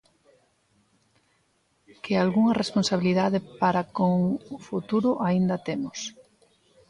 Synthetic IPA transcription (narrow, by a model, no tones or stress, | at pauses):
kealɣuŋɐresponsaβiliðaðɪpaɾakoŋfut̪uɾʊʔaind̪ɐt̪emʊs